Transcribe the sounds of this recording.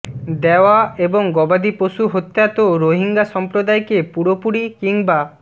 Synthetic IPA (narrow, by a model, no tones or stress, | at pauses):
d̪eoaeboŋɡɔbad̪ipoʃuɦot̪ːeat̪oɾoɦiŋɡaʃɔmpɾod̪aekepuɾopuɽikiŋba